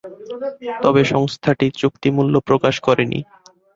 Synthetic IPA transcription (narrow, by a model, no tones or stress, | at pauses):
t̪ɔbeʃɔŋst̪ʰaʈit͡ɕukt̪imulːopɾokaʃkɔɾenḭ